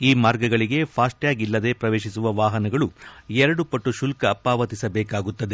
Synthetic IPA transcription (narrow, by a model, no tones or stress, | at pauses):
iːmaːɾɡɐɡɐɭiɡe̞pʰaːsʈjaːɡilːɐd̪e̞pɾɐʋe̞ːʃisuʋɐʋaːɦɐnɐɡɐɭuɛɾɐɽupɐʈːuʃulkɐːpːaːʋɐt̪isɐbɛːkaːɡut̪ːɐd̪e